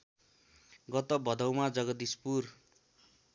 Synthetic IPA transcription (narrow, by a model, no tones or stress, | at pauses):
ɡʌt̪ʌbʌd̪ʌwmad͡zʌɡʌd̪ispur